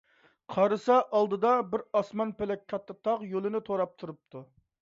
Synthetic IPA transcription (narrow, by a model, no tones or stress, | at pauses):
qʰɑɾɨsɑʔɑlˠd̪ɨd̪ɑbɪɾɑsmɑnpelɛkʲkʰːɑt̪ːɨt̪ʰɑqjolˠɪnɪt̪ʰoɾɑp̚t̪ʰuɾup̚t̪ʰu